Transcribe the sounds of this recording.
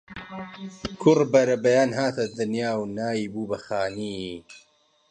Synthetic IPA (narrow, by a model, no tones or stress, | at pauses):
kʰʊrbɐɾɐbɐjaːnɦaːt̪ʰɐd̪ɨnjaːwnaːjiːbuːbɐxaːniː